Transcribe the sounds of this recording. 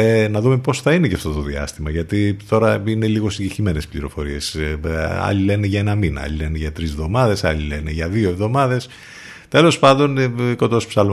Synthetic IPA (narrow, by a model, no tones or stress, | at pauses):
enɐðume̞po̞sθɐineceɐft̪o̞t̪o̞ðiɐ̰st̪imɐʝɐt̪it̪o̞ɾɐine̞liɣo̞siɲɟeçime̞ne̞spliɾo̞̰fo̞ɾie̞s | ɐ̰ʎile̞neʝɐe̞nɐminɐ̰ɐ̰lile̞neʝɐt̪ɾizvðo̞mɐðe̞sɐ̰lile̞neʝɐðio̞evðo̞mɐðe̞s | t̪e̞lo̞spɐnd̪o̞nko̞t̪o̞spsɐl